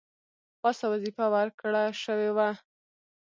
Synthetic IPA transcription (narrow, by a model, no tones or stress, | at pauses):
pɑsawazifawaɾkɽaʃəwewa